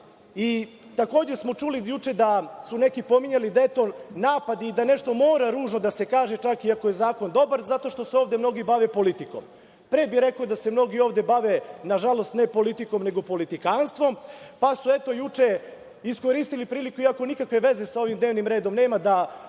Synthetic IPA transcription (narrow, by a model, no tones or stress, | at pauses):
i | t̪ako̞ːd͡ʑesmo̞t͡ʃulijut͡ʂe̞d̪asunekipo̞miɲalid̪aet̪o̞naːpad̪iːd̪ane̞ʃt̪o̞mo̞ːɾaɾuːʒno̞d̪ase̞kaːʒet͡ʃakiako̞je̞zaːko̞nd̪o̞baɾzat̪o̞ʃt̪o̞seo̞ːʋd̪emno̞ɡibaʋepo̞lit̪iko̰m | pɾeːbiɾe̞kod̪ase̞mno̞ɡio̞ːʋd̪e̞baʋenaʒalo̞st̪nepo̞lit̪iko̞mne̞ɡo̞po̞lit̪ikanst̪ʋo̞mpasuet̪o̞jut͡ʂe | isko̞ɾiːst̪ilipɾiːlikuiako̞nikakʋe̞ʋe̞zesao̞ʋimd̪neːʋnimɾeːd̪o̞mne̞ːmad̪a